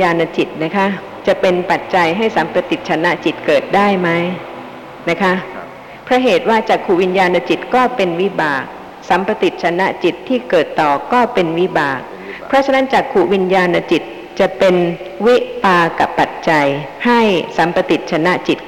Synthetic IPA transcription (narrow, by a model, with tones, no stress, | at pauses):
jaː˧nːa˧t͡ɕi˨˩t̪̚na˦˥kʰa˦˥ʔ | t͡ɕa˨˩pe˧npa˨˩t̪̚t͡ɕa˧jɦa˥˩jsa˩˦mpɾa˧t̪i˨˩t̪̚t͡ɕʰa˧na˦˥ʔt͡ɕi˨˩t̪̚kɤː˨˩t̪̚daː˥˩jma˦˥j | na˦˥kʰa˦˥ʔ | pʰɾɔ˦˥ɦeː˨˩t̪̚waː˥˩t͡ɕaː˨˩kʰːu˨˩wi˧njaː˧nːa˧t͡ɕi˨˩t̪̚kɔː˥˩pe˧nwi˦˥baː˨˩k̚ | sa˩˦mpa˧t̪i˨˩t̪̚t͡ɕʰa˧na˦˥ʔt͡ɕi˨˩t̪ʰːiː˥˩kɤː˨˩t̪ːɔː˨˩kɔː˥˩pe˧nwi˦˥baː˨˩k̚ | pʰɾɔ˦˥t͡ɕʰa˧na˦˥nt͡ɕaː˨˩kʰu˨˩wi˧njaː˧nːa˧t͡ɕi˨˩t̪̚ | t͡ɕa˨˩pe˧n | wi˦˥ʔpaː˧ka˨˩pːa˨˩t̪̚t͡ɕa˧j | ha˥˩jsa˩˦mpa˧t̪i˨˩t̪̚t͡ɕʰa˧na˦˥ʔt͡ɕi˨˩t̪̚